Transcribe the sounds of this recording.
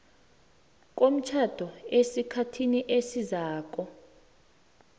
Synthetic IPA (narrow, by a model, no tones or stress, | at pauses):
k̬om̩t͡ʃʰad̥ʱɔesikʰatʰiniʔesizaːk̬ʼɔ